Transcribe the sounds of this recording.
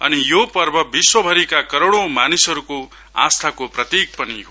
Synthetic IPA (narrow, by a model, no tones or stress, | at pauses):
ʌ̰nijopʌrbʱʌbiswʌbʱʌɾikakʌɾoɽ̃õmanisʌɾuko | a̰st̪ʰakoprʌt̪ik̚pʌniɦo